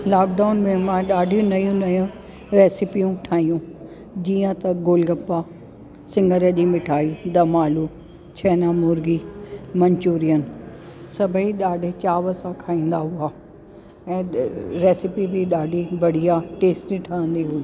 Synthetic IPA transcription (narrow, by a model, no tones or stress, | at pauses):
laːk̚ɖaːʊnmẽmãɗaːɖʱijũnɐjũnɐjũ | ɾeːsɪpijũʈʰaːĩjũ | d͡ʑiːə̃t̪ɐɡoːlɡɐpːa | sɪ̃ŋɡʱəɾəʄimɪʈʰaːid̪ɐmaːlu | t͡ɕʰɐːnamʊɾɡimɐ̃ɲt͡ɕuːɾijənsɐbʱəiɗaːɖʱɪt͡ɕaːʋəsãkʰaːĩːn̆d̪aɦʊaː | ɛ̃ːɾeːsɪpibʱiɗaːɖʱibɐɽ̤ijaʈeːsʈiʈʰɐə̃nd̪iɦui